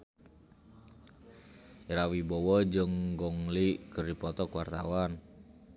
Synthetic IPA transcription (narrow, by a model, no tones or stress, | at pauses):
iɾawibɔwɔd͡ʒəŋɡɔŋlikərdipɔt̪ɔkwart̪a̰wan